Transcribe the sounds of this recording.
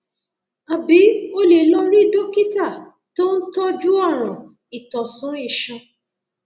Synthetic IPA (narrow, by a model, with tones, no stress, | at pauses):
a˨bi˨˦o˦le˨lɔ̃˧ɾi˦do˦ki˦ta˦˨ | to˦n̩˦tɔ˦d͡ʒu˦ɔ˦˨ɾ̃ɔ̃˨ | i˨tɔ˨sɔ̃˨˦e˦˧˨ʃɔ̃˧